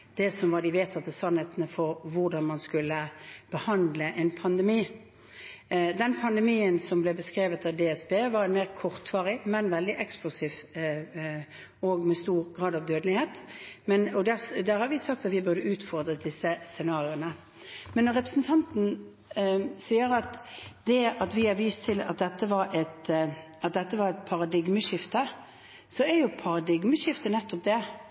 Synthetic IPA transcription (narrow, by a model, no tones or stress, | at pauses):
d̪̥ɛsɔmʋɑd̪ɪʋeːt̪ʰɑt̪ːəsɑnheːt̪nəfɔɾʋʊʁd̪ɑnmɑnskʉlːəb̥əhɑnd̪ləʔɛnpʰɑnd̪ɛmiː | d̪ɛnpʰɑnd̪ɛmiːənsɔmblɛbəskɾeːʋət̪ɑʋd̪eːɛsbeːʋɑɾɛnmeːʁkʰɔʁt̪ʋɑːʁɪmɛnʋɛld̪ɪʔɛksplʊsiːf | ɔɡmɛst̪uːʁɡʁɑːd̪ɑʋd̪øːd̪lɪheːt̪mɛnɔd̪æd̪æːɾhɑɾʋɪsɑk̚t̪ɑt̪ʋɪbœʁd̪əʉːt̪fɔʁd̪ɾəd̪ɪsːəsɛnɑːʁɪʊnə | mɛnːɔɾːɛpɾəsn̩t̪ʰɑnt̪n̩ | siːəɾɑt̪d̪ɛɑt̪ʋɪɑɾʋiːst̪ʰɪlɑ̰t̪̚d̪ɛt̪ːəʋɑɾɛt̪ | ɑt̪̚d̪ɛt̪ːəʋɑɾɛt̪̚pʰɑɾɑd̪ɪɡməʂɪft̪ə | sɔɛɾjʊpʰɑɾɑd̪ɪɡməʃɪft̪ənɛt̪ːɔp̚d̪ɛ